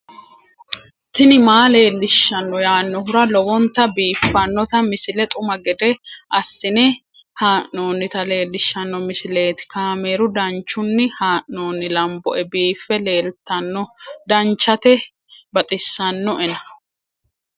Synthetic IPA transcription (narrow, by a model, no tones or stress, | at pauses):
t̪ɪnɪmaːle̞ːlːɪʃːɐnːɔjaːnːɔɦʊɾɐlɔwɔnt̪ɐbiːfːɐnːɔt̪ɐmɪsɪlɛt̪ʼʊmɐɡɛd̪ɛʔɐsːɪnɛ | haːʔno̞ːnːɪt̪ɐle̞ːlːɪʃːɐnːɔmɪsɪle̞ːt̪ɪ̥kaːme̞ːɾʊd̪ɐnt͡ʃːʊnːɪhaːʔno̞ːnːɪlɐmbɔʔɛbiːfːɛle̞ːlt̪ːɐnːɔd̪ɐnt͡ʃːɐt̪ɛ | bɐt̪ʼɪsːɐnːɔʔɛnɐ